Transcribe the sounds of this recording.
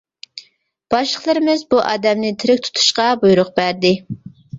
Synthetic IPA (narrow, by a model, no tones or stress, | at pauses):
b̥ɑʃlˠəχlˠɨɾɪmɪzbuʔɑ̰ːd̪ɛmnɪt̪ʰɪɾɪkʲt̪ʰu̥t̪ʰu̥ʃqɑbujɾʊq̚bæɾd̪ɪ